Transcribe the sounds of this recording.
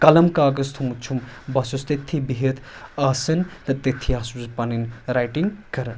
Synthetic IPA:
kɐlɐmkaːɡɐst̪ʰumut͡ʃʰumbɐsust̪et̪ʰːibiɦet̪ʰaːsɐnt̪ɐt̪et̪ʰːiaːsuzpɐninɾajʈiŋɡkɐɾɐn

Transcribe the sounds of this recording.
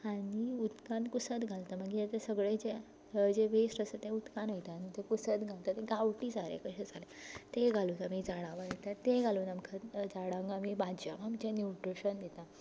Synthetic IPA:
aɽiut̪kãnkusət̪ɡʱalt̪aməɡiet̪esəɡɭed͡ʑe | d͡ʑeʋesɾəsət̪ẽut̪kanəjit̪aːnit̪ekusət̪ɡʱalt̪at̪eɡawʈiːd͡zalḛkəɕad͡zalet̪eɡʱalut̪amid͡zaɽaʋajit̪at̪eɡʱaluːnamkʰad͡zaɽãŋɡamibad͡ʑamamit͡ɕɛnjuʈɾiɕənd̪et̪a

